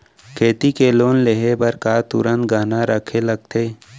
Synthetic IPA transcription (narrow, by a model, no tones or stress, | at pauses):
kʰeːt̪ikeloːnleɦebɐɾkaːt̪ṵɾə̃nt̪ɡaːnaɾəkʰelɐɡ̚t̪ʰeː